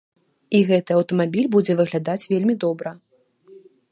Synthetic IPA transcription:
iɣɛt̪ɨɐwt̪ɐmabʲilʲbud͡zʲɛvɨɣlʲad̪at͡sʲvʲelʲmʲid̪ɔbɾɐ

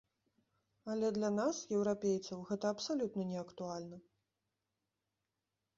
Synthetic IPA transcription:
ɐlʲɛd̪lʲɐnasjɛwɾapʲejt̪sɐwɣɛt̪ɐːpsalʲut̪nɐnʲɛɐkt̪ualʲnɐ

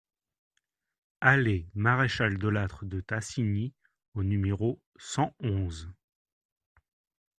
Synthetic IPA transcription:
alemaʁeʃald̪ɔlat̪χəd̪ət̪asini | onymeʁo | sɑ̃ɔ̃z

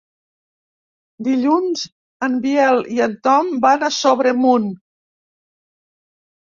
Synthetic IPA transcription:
d̪iʎunz | əmbiɛliənt̪ɔmbanəsoβ̞ɾemun

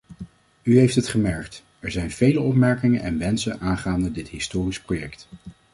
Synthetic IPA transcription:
yɦejftɦətχəmɛɹkt | ɛɹzɛjnv̥ejləɔpmɛɹkɪŋənʔɛ̰nʋɛnsənʔaːnχaːndədɪtɦɪstʊːrisprojɛkt

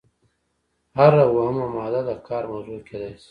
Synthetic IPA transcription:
haɾawaɦmamɑːd̪ad̪akʰɑːɾmawzuked̪aːjsi̥

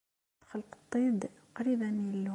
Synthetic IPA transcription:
t̪xalːqt̪ˤːid̪ | qɾibænilː

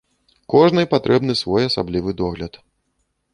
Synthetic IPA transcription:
kɔʐnɨjpat̪ɾʔɛbnɨsvɔjɐsa̰blʲivɨd̪ɔɣlʲɐt̪

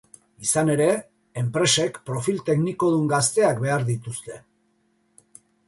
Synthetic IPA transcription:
isane̞ɾe̞ | empɾe̞se̞kpɾo̞filt̪e̞kniko̞ð̞uŋɡast̪e̞akbe̞aɾðit̪ust̪e̞

